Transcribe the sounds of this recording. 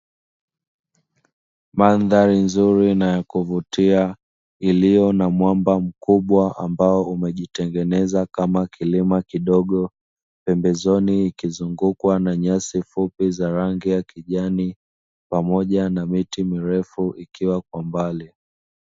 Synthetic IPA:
manðaɾinzuɾinajakuvutia | ilijɔnamwambam̩kuɓwaʔambaɔumɛʄitɛŋɡɛnɛzakamakilimakiɗɔɠɔ | pɛmbɛzɔniːkizuŋɡukwanaɲasifupizaɾaŋɡijakiʄani | pamɔʄanamitimiɾɛfuʔikiwakwambali

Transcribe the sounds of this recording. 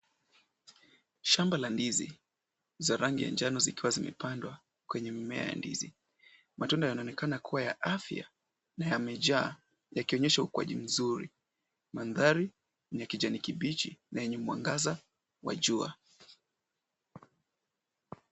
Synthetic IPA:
ʃambalandizḭ | zaɾaŋɡija̰nd͡ʒanɔzikiwazimɛ̰pandwa | kwɛɲɛmimɛa̰ja̰ndḭzḭ | matundajanaɔnɛkanakʰuwaja̰ʔafja̰ | najamɛʄaː | jakiɔɲɛʃaukua̰ʄim̩zuɾḭ | manðaɾi | nakid͡ʒanikiɓit͡ʃḭnajɛɲɛmwa̰ŋɡaza | wa̰ʄua̰

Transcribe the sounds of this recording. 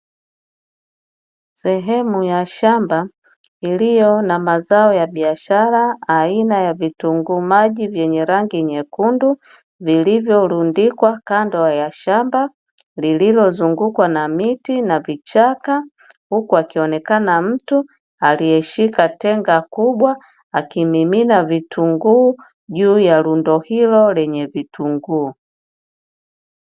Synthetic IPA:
sɛɦɛmujaʃamba | ilijɔnamazaɔjaɓiaʃaɾaːinajavituŋɡumaʄivjɛɲɛɾaŋɡiɲɛkundu | vilivjɔlundikwakandɔajaʃamba | lililɔzuŋɡukwanamitinavit͡ʃaka | hukuakiɔnɛkanam̩tu | aliɛʃikatɛŋɡakuɓwa | akimiminavituŋɡuː | ʄuːjalundɔhilɔlɛɲɛvituŋɡuː

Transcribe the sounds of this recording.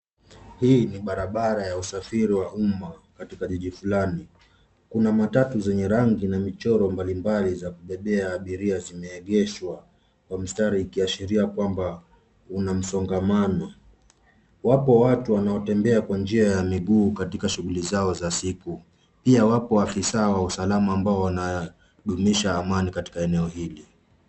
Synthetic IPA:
hiːniɓaɾaɓaɾajausafiɾiwaʔumakatikaʄiʄifulani | kunamatatuzɛɲɛɾaŋɡinamit͡ʃɔɾɔmbalimbalizakuɓɛɓɛaːɓiɾiazimɛːɠɛʃwa | kwam̩staɾiːkiaʃiɾiakwamba | unam̩sɔŋɡamanɔ | wapɔwatuwanaɔtɛmbɛakwand͡ʒiajamiɠuːkatikaʃuɣulizaɔzasiku | piawapɔafisawausalamaːmbaɔwana | ɗumiʃaːmanikati̥kaɛnɛɔhili

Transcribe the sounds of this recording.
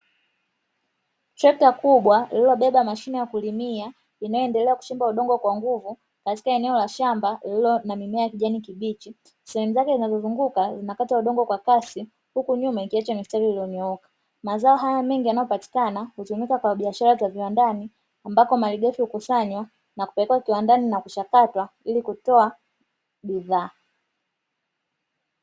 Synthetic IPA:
tɾɛk̚takuɓwalilɔɓɛɓamaʃinɛjakulimia | inajɔɛndɛlɛaku̥t͡ʃimbauɗɔŋɡɔkwaŋɡuvu | kati̥kaɛnɛɔlaʃambalilɔnamimɛajakiʄanikiɓit͡ʃi | sɛhɛmuzakɛzinazɔzuŋɡukazinakatauɗɔŋɡɔkwakasi | hukuɲumaikiɛt͡ʃɔnistɔɾiiliɔɲɔɔkḁ | mazaɔɦajamɛŋɡijanajɔpati̥kanahutumikakwaɓiaʃaɾazaviwandani | ambakɔmaliɡɛfihukusaɲwa | naku̥pɛlɛkɛwakiwandaninakuʃakatwa | ilikutɔa | ɓiðaː

